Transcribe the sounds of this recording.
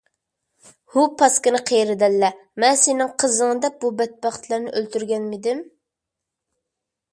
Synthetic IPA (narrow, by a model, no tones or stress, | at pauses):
hupʰɑskɨnɨqʰejɾɪd̪ɛlːɛmɛnsenɪŋqʰəzəŋɨd̪ɛp̚bubɛt̪̚bɑχt̪ʰlˠɨɾnɪʔølt̪yɾɡʲɛnmɪd̪ɪm